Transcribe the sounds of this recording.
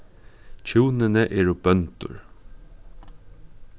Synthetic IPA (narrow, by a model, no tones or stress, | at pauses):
t͡ʃʰuwnɪnɛʔɛːɹʊbœnt̪ʊ̰ɹ